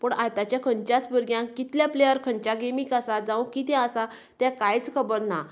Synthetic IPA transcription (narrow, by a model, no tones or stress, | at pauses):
pəɳajt̪at͡ɕjakʰəɲt͡ɕjat͡sbəɾɡjãkːit̪ljaplejəɾkʰəɲt͡ɕaɡemikasad͡zãw̃kit̪ɛ̃əsa | t̪jãkajt͡skʰəbəɾna